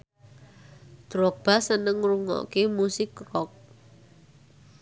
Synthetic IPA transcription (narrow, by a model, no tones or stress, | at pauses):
d̪̥ɾɔk̚b̥a̤sənəŋruŋɔ̰kemusɪkːrɔk̚